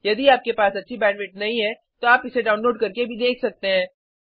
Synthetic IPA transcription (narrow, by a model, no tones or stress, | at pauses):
jɐd̪iaːp̚kepaːsɐtːʃʰibɛ̃ːnʋɪʈnɐɦĩɦɛ | t̪oaːpɪseɖaːʊ̃nloːɖkɐɾkebʱid̪eːkʰsɐk̚t̪eɦɛ̃ː